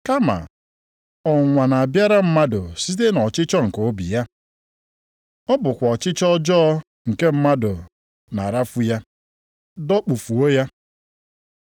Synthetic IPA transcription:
ka˦ma̰˨ | ɔ˨ŋʷa˨na˨a˨bja˦ɾa˦m̩˦ma˦do˨si˦t̬e˦nɔ˨t͡ʃɪ˦t͡ʃɔ˦ŋ̩˨ko˦bḭ˨ja˦ | ɔ˦bʊ˨kʷɔ˨t͡ʃɪ˦t͡ʃɔ˦d͡ʒɔ˦ | ŋ̩˨ke˦m̩˦ma˦do˨ | na˨ɾa˦fu˦ja˦ | dɔ˦k͡pu˨fu˨o˦ja˦

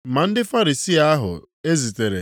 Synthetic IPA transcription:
ma˨n̩˦dɪ˦fa˦ɾi˨si˦a˦ɦʊ̰˨ | e˦zi˨te˨ɾḛ˨

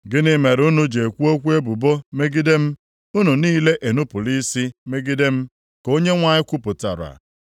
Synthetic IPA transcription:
ɡɪ˦nɪ˦me˨ɾʊ˦nu˦d͡ʒe˨kʷu˦o˦kʷu˦e˦bʊ˨bo˦me˦ɡi˦de˦m̩˦ | ʊ˦nu˨niː˦le˦ʔe˨nu˦pʊ˨li˦si˦me˦ɡɪ˦de˦m̩˦ | ko˦ɲe˦ŋʷa˨ɲɪ˦kʷu˦pʊ˨ta̰˨ɾa̰˨

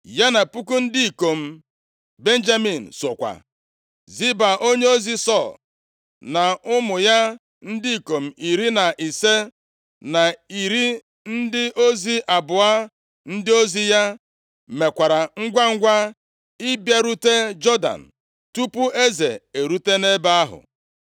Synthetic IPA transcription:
ja˦na˨pu˦ku˦n̩˦di˦i˨ko˨m̩˦˨ | be˦n̩˦d͡ʒa˦mi˨n̩˨sʊ˨kʷa̰˨ | zi˦ba˨ʔo˦ɲe˦o˦zi˦sɔ˦˨l | na˨ʊ˦mʊ˨ja˦ | n̩˦di˦i˨ko˨m̩˨i˨ɾi˦na˨ʔi˨se˦ | na˨i˨ɾi˦ | n̩˦dɪ˦ʔo˦zi˦ʔa˨bʊ˨a˦ | n̩˦dɪ˦o˦zi˦ja˦ | me˨kʷa˨ɾa˨ŋ̩˦ɡʷa˦ŋ̩˦ɡʷa˦ | i˦bja˨ɾu˦te˦d͡ʒɔ˦da̰˨n̩˨ | tu˦pʊ˦ʔe˦zḛ˨e˨ɾu˦te˦ne˦ba˦a˦ɦʊ̰˨

